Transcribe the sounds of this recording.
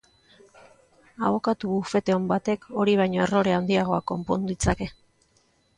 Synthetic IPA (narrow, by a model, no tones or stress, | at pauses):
aβo̞kat̪uβufe̞t̪e̞ombat̪e̞ko̞ɾiβ̞ajɲo̞e̞ro̞ɾe̞awnd̪iaɣ̞o̞akːo̞mpo̞nd̪uit͡sake̞